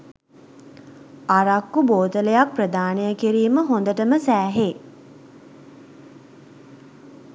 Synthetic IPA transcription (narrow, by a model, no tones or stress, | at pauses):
aɾakːuboːt̪ələjak̚prəd̪aːnejəkiɾiːməɦond̪əʈəməsæːɦe